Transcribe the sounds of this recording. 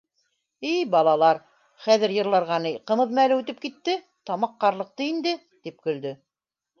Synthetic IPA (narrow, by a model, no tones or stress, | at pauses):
ɘjbɑlˠɑlˠɑɾ | χæðɘ̆ɾjɤ̆ɾlˠɑɾʁɑnijqɤ̆mɤ̆ðmælɘʉt̪ɘp̚kit̪ːɘ | t̪ɑmɑqːɑɾlˠɤ̆q̚t̪ɤind̪ɘ | t̪ip̚kɵ̆ld̪ɵ